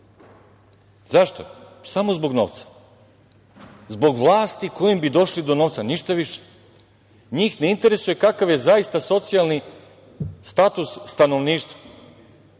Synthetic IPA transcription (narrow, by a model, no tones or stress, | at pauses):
zaʃt̪o̰samo̞zbo̞ɡno̞̰ːʋt̪sḁ | zbo̞ɡʋlˠaːst̪iko̞jimbid̪o̞ʃlid̪o̞noʋt̪saniʃt̪aʋiʃe̥ | ɲiːxneint̪e̞ɾe̞suje̞kakaʋje̞zaist̪aso̞t̪sijalni | st̪at̪usːt̪ano̞ʋniːʃt̪ʋa